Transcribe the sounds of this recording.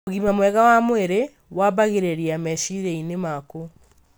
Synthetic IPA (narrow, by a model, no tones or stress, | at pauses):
oɣimamwɛɣawamweɾe | waβaɣeɾeɾiamɛʃiɾeinemako